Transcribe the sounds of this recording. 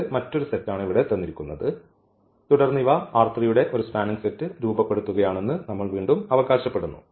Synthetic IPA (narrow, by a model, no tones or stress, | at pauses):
mɐtːo̞ɾusetːaːɳiʋiɽe̞t̪ɐnːiɾikʲːunːɐðɨ | t̪uɽɐrnːiʋaaːrt̪rijuɽe̞ʔo̞ɾuspaːniŋɡsetːɨɾuːbɐpːeɽut̪ːuɣɐjaːɳe̞nːɨnɐmːɐɭʋiːɳɖumɐʋɐɣaːɕɐpːe̞ɽunːṵ